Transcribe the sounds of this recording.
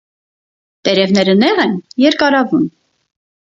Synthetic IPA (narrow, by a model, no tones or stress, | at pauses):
t̪ɛɾɛvnɛɾənɛʁɛnjɛɾkɑɾɑvum